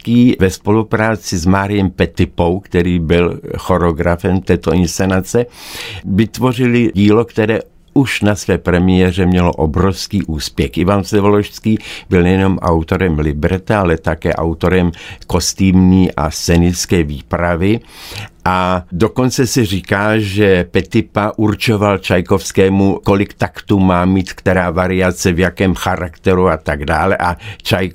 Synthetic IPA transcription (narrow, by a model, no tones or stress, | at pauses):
kiːvɛspo̞lupɾaːt͡sɪzmaːɾɪjɛmpɛt̪ɪpo̞wkt̪ɛɾiːbɪlxo̞ɾoɡɾafɛmt̪ɛːt̪oɪnst͡sɛnat͡sɛ | vɪt̪vo̞rɪlɪɟiːlokt̪ɛɾɛː | uʃnasvɛːpɾɛmɪjɛrɛmɲɛlo̰ʔobɾofskiːʔuːspjɛxʔɪvansɛvoloʃskiːbɪlnɛjɛno̞mʔa̰wt̪o̞ɾɛmlɪbɾɛt̪aalɛt̪akɛːʔa̰wt̪o̞ɾɛmkost̪iːmɲiːʔa̰st͡sɛnɪskɛːviːpɾavɪʔadokont͡sɛsɛr̝iːkaːʒɛpɛt̪ɪpaʔurt͡ʃovalt͡ʃajkofskɛːmukolɪkt̪akt̪umaːmiːt̪kt̪ɛɾaːvaɾɪat͡sɛvjakɛːmxaɾakt̪ɛɾuat̪aɡdaːlɛʔat͡ʃaj